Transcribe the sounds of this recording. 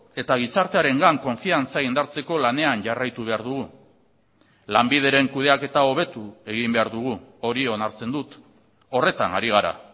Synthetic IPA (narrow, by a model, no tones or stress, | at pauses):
e̞t̪aɣ̞isaɾt̪e̞aɾe̞ŋɡaŋko̞ɱfiant͡saɣind̪aɾt͡se̞ko̞lane̞anʝarajt̪uβ̞e̞aɾðuɣ̞u | lambið̞e̞ɾe̞ŋkuð̞e̞ake̞t̪ao̞β̞e̞t̪ue̞ɣ̞imbe̞aɾðuɣ̞uo̞ɾio̞naɾt͡se̞nd̪ut̪ | o̞re̞t̪anaɾiɣ̞aɾa̰